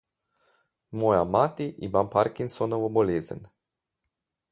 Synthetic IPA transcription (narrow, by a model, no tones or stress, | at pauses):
mojamat̪iʔḭmampaɾkinsonɔʋoboleːzə̰n